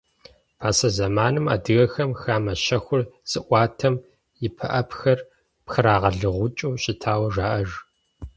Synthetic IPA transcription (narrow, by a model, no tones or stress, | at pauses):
pʰaːsɐzɐmaːnɨma̰ːdɨɣɐxɐmxaːmɐʃɐxʷʊrz̥ɨʔʷɑːtʰɐm | jɪpʰɐ̰ʔɐpxɐr | pxɨɾaːʁɐɮɨʁʷʊt͡ʃʼuːɕɪtʰaːwɐʒaːʔɐʒ